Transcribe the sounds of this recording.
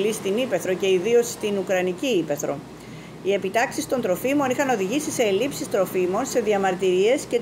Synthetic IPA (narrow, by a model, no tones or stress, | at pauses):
list̪inipe̞θɾo̞ce̞iðio̞st̪inukɾɐniciipe̞θɾo̞̰ | ie̞pit̪ɐksist̪o̞nd̪ɾo̞fimo̞nixɐno̞ðiʝisise̞ːlipsist̪ɾo̞fimo̞nse̞ðiɐmɐɾt̪iɾie̞sce̞